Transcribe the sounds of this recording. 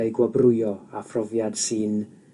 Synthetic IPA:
ajɡwabrʊjɔafrɔvjad̥sɨn

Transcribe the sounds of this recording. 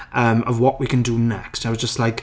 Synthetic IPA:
ʔə̃məvwɒʔwikʰə̃ndənɛkstaɪwʌzd͡ʒʌstlaɪk

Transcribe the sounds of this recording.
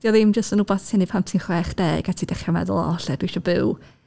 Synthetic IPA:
d̥iɔðɪmd͡ʒəstənʊbɔθtʰɪnipʰamtʰinχwɛːχd̥ɛːɡ̥atʰidɛχjamɛ̰ðʊ̰lˠɔ̰ɬɛd̥wiʃɔbɪw

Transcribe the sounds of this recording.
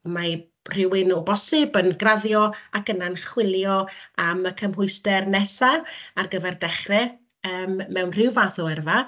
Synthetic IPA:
ma | r̥ɪwɪnɔbɔsɪbənɡraðjɔakənanχwɪlˠjɔaməkʰəmɦʊɨstɛrnɛsaarɡəvɛrdɛχrɛ | əːmːɛwnr̥ɪwvaθɔɛrva

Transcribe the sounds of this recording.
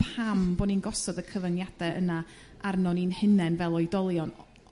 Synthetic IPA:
pʰambɔninɡɔsɔdəkʰəvənjad̥ɛʔə̰na | ʔaɾnɔninhɪnɛnvɛlˠɔjdɔlˠjɔn

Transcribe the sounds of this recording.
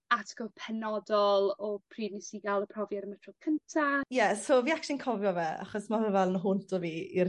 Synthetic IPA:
atʰɡ̥ɔpʰɛnɔdɔlˠɔpʰriːdnisɪɡalˠəpʰrɔvjaɾəmətʰrɔð̥kʰəntʰajɛsoviːakʰinkʰɔvjɔvɛa̰χɔsmavəvɛlˠnɦʊntʰɔviːir

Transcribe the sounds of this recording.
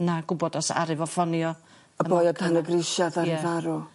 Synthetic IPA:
naɡʊbɔdɔsa̰ɾɨvɔfɔnjɔ | əəbɔjɔdanəɡrɪʃaðaɾɪvaɾɔ

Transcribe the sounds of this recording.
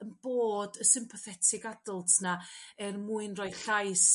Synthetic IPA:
ənb̥oːdəsɪmpʰɔθɛtʰɪɡadʊlˠtʰnaɛrmuːɨnrɔjɬajs

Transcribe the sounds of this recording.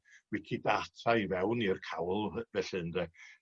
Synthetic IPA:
wɪkʰidatʰajvɛwnirkʰawlˠvɛɬɨndɛ

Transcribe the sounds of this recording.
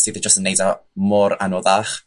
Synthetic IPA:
siːθɛd͡ʒəstənejdamɔɾanɔðaχ

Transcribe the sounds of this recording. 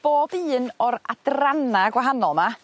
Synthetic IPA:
b̥oːbɨːnɔɾadranaɡwaɦanɔlˠma

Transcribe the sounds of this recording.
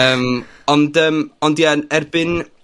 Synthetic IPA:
əːmɔndəmɔndianɛrbɪn

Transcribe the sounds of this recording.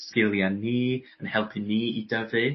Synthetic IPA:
skɪlˠjaniː | ənhɛlˠpʰɨniːidəvɨ

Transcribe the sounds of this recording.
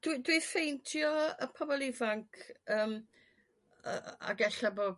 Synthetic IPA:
d̥widwifejntʰjɔəpʰɔbɔlˠɪvaŋkʰəːm | ə̰a̰ɡɛɬaboː

